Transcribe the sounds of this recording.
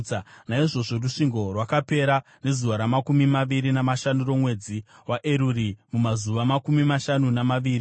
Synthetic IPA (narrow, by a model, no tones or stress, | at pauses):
naiʐo̞ʐoruʂiŋɡo̞rwakape̞ɾa | ne̞zuʋaɾamakumimaʋiɾinamaʃanuro̞mwe̞ːd͡ziwaʔeɾurimumazuʋamakumimaʃanunamaʋiːri